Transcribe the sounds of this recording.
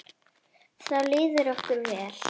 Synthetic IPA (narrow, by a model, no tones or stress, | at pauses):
θawlɪːðʏɾɔhkʏɾvɛːl̥